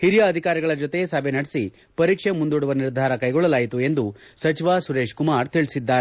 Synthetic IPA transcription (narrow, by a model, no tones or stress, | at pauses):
hiɾijɐːd̪ʱikaːɾiɡɐɭɐd͡ʒot̪e̞sɐbʱenɐɽsi | pɐɾiːkʂemund̪uɽuʋɐniɾd̪ʱaːɾɐkɐjɡɔɭːɐlaːjit̪ue̞nd̪usɐt͡ʃiʋasuɾeːʂkumaːɾt̪iɭisid̪ːaːɾe